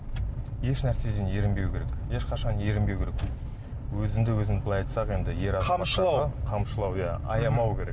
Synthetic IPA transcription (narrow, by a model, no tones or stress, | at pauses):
je̞ʃnæɾse̞d̪e̞nje̞ɾɪmbe̞wkʲeɾekje̞ʃqɑʃɑnje̞ɾɪmbe̞wkʲeɾek | wɵzɪmd̪ɪwɵzɪnblˠɑjɑt̪sɑqe̞nd̪ɪje̞ɾɑzɑʃˠɑqʰɑmʃəlˠɑwjɑɑ̰jɑmɑwkʲʰe̞ɾe